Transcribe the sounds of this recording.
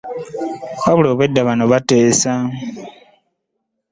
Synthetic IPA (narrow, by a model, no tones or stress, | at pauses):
aβuloːβedːaβanoβateːsa